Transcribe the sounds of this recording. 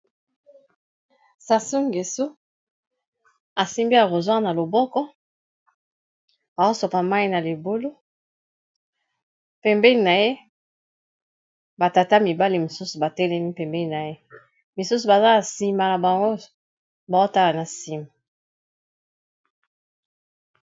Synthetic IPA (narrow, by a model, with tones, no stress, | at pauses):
sa˨su˦ŋɡe˨so˦ | a˨si˦mbi˦a˨ko˨zwã˦na˨lo˨bɔ˦kɔ˦ | a˨o˦so˨pa˨ma˦i˦na˨li˨bo˦lo˦ | pɛ˨mbɛ˦i˨na˨je˦ | ba˨ta˨ta˦mi˨ba˦li˨mo˨su˦su˨ba˨tɛ˦lɛ˦mi˦pɛ˨mbɛ˦ni˨na˨je˦ | mi˨su˦su˨ba˨za˦a˨si˨ma˨la˨ba˨ŋɡo˦ | ba˨o˦ta˦la˨na˨si˨ma˨